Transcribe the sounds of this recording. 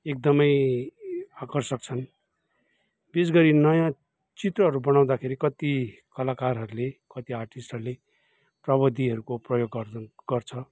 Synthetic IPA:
ek̚d̪ʌmʌj | akʌrsʌk̚t͡sʰʌn | besɡʌɾinʌjã | t͡sit̪rʌɦʌɾubʌnaw̃d̪akʰeɾikʌt̪ikʌlakarɦʌɾulekʌt̪iarʈisʈɦʌɾule | prʌbʌd̪ʱiɦʌɾukoprʌjoɡːʌɡ̥ʌrt͡sʰʌ

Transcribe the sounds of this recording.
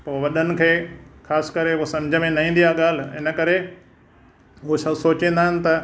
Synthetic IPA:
poːʋɐɗənɪ̆kʰeːxʰaːskɐɾeosɐ̃md͡ʑʱəmẽnɐɦĩːn̆d̪ijaɠaːl̤ɪnə̆kɐɾe | osɐsoːt͡ɕẽːn̆d̪aːɪnɪ̆t̪ɐ

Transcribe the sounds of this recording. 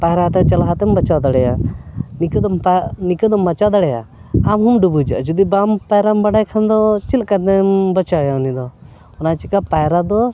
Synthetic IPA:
paɛɾat̪ɛt͡ʃalaɦat̪ɛmbɐt͡ʃad̪aɽɛjanikd̪mnikəd̪ɔmɐt͡ʃad̪aɽɛja̰amɦumɖubud͡ʒa̰ʔd͡ʒud̪ibampajɾambaɖajkʰand̪ɔt͡ʃilkad̪ɛmbət͡ʃajanid̪ɔ | ɔnat͡ʃikapajɾad̪ɔ

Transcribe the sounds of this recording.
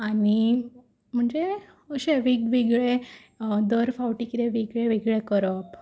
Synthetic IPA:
ani | m̤əɳd͡ze | əɕeʋikʋiɡɭe | d̪əɾfawʈikit̪eʋiɡɭeʋiɡɭekəɾəp

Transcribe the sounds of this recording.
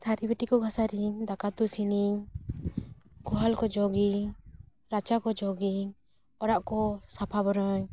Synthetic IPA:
t̪ʰaɾibɛʈikɔɡʱasaɾiŋd̪akat̪usiniŋ | ɡɔɦalkɔd͡ʒɔɡiŋ | ɾat͡ʃakɔd͡ʒɔɡiŋ | ɔɾaʔkɔsapʰabɔɾɔɲ

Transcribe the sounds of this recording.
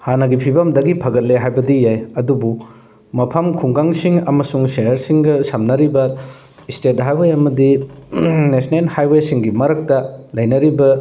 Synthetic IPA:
hanɐɡipʰibɐmdɐɡipʰɐɡɐt̚leɦajbɐdijajɐdubu | mɐpʰɐmkʰuŋɡaŋsiŋɐmɐsuŋsenɐɾsiŋɡɐsɐmnɐɾibɐ | stet̚ɦajwejɐmɐdi | nesnelhajwesiŋɡimɐɾɐk̚tɐlɐjnɐɾibɐ

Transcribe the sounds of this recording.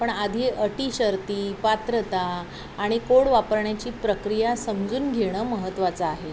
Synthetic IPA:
pəɳad̪ʱiʔəʈiːɕəɾt̪iːpat̪ɾət̪aː | ɽ̃ikoɽʋapəɾɳjat͡ɕiːpɾəkɾijasəmd͡zuːnɡʱeɽ̃əːməɦət̪ːʋat͡saːɦe

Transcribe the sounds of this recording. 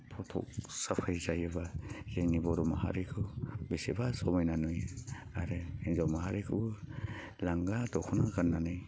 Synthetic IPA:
pʰɔtʰɔ̰k̚sapʰajzajɯbazeŋnibɔɾɔmaha̰ɾikʰɯbisebasɔmajnanujaɾɯinzawmaɦaɾikʰɯ | laŋɡadɔkʰunaɡanːanɯj

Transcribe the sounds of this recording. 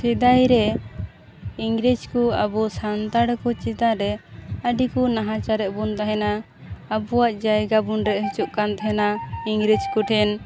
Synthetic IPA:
sid̪ajɾɛ | iŋɡɾid͡ʒkuabusant̪aɽkɔt͡ʃit̪aɾɛəɖikunaɦãt͡ʃaɾɛʔbunt̪aɦɛnaː | buwaʔd͡ʒajɡabunɾɛʔɦt͡ʃuʔkant̪aɦɛnaiŋɡɾid͡ʒkuʈʰɛn

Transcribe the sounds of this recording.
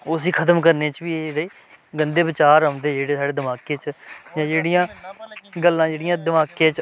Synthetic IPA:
osiːkʰət̪əmkəɾneːt͡ʃʋiːed͡ʒeːɽeː | ɡənd̪eːʋɪt͡ʃaːɾəd̪eːd͡ʒeːɽeːsaːɽeːd̪əmaːkeːt͡ʃd͡ʒãːd͡ʒeːɽijãː | ɡəlːãːd͡ʒeːɽɪjãːd̪əmaːkẽːt͡ʃ

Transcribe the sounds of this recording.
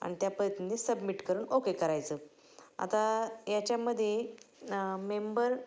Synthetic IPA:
a̰ñit̪japəjt̪nnesəbmiʈkəɾuːnokekəɾajt͡səː | a̰t̪ajat͡ɕjaməd̪ʱːje | membəɾ

